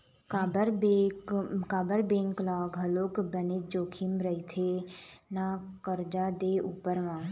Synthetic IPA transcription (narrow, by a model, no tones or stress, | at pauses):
kːbəɾe | kaːbəɾbẽːŋklaːɡɦəloːkbəned͡ʒoːkʰɪmɾəit̪ʰenakəɾd͡ʒaːd̪eːʔuːpəɾʋãː